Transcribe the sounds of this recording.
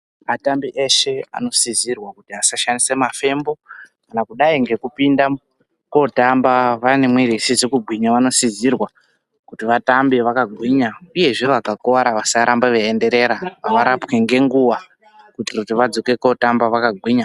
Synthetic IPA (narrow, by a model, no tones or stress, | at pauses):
atambiʔeʃe̞a̰no̞sizirwakutiasaʃanisemafe̞mbo̞kanakuɗaiŋɡe̞kupinda | ko̞tambaʋane̞mwiɾisizekuɡʱwiɲaʋano̞sizirwa | kutiʋatambiʋakaɡʱwiɲauje̞ʐiʋakakoʋaɾaʋasaɾambaʋeende̞ɾe̞ɾaaʋaɾapke̞ŋɡe̞ŋɡuwa | kutirutiʋad͡zoke̞ko̞tambaʋakaɡʱwiːɲa